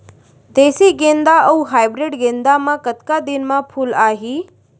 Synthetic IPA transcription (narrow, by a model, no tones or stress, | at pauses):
d̪eːsiɡẽːnd̪aʔɐuɦaːjbɾɪɖɡẽnd̪amãkət̪kad̪ɪnmãpʰuːlaːɦiː